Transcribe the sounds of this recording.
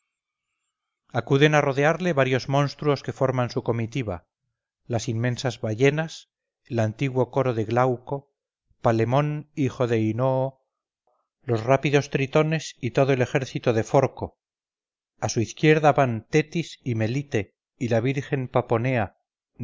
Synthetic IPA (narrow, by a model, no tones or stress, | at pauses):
akuðe̞naro̞ðeaɾle̞βaɾjo̞zmõ̞nst̪ɾuo̞ske̞fo̞ɾmansuko̞mit̪iβa | lasimːẽ̞nsazβaʝe̞nas | elant̪iɣwo̞ko̞ɾo̞ðe̞ɣlawko̞ | pale̞mo̞nixo̞ðe̞ino̞ː | lo̞srapiðo̞st̪ɾit̪o̞ne̞sit̪o̞ð̞o̞e̞le̞xe̞ɾθit̪oðe̞fo̞ɾko̞ | asuiθkje̞ɾðaβant̪e̞t̪isime̞lit̪e | ilaβ̞iɾxe̞mpapo̞ne̞a